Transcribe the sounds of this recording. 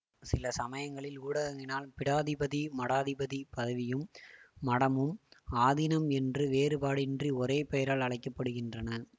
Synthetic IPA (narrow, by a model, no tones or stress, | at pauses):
sɪlɐsɐmɐjɐŋɡɐɭɪluːɽɐɣɐɣɪnaːlpɪɽaːðɪbɐðimɐɽaːðɪbɐðipɐðɐʋɪjɯmːɐɽɐmɯmaːðɪnɐmɛndrɯʋeːɾɯpaːɽɪndriɔɾeːpɛjɐɾaːlɐɭɐɪkːɐpːɐɽɯɣɪndrɐnɐ